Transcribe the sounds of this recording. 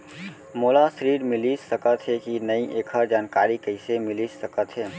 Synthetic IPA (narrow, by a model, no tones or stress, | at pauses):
moːlasɾiːɽmɪlisəkət̪ɦɛkinəiʔeːkʰəɾd͡ʒaːnkaːɾikəɪsemɪlisəkət̪ɦɛː